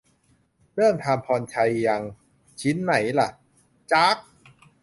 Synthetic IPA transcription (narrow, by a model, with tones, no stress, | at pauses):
ɾɤː˥˩mt̪ʰaː˧mpʰɔː˧nt͡ɕʰa˧jːa˧ŋ | t͡ɕʰi˦˥nːa˩˦jla̰˧˩ʔ | t͡ɕa˦˥k̚